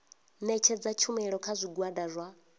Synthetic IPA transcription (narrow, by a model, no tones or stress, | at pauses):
nɛt͡ʃʰɛd͡zat͡ʃʰumɛɺɔkʰazʷiɡwadazʷa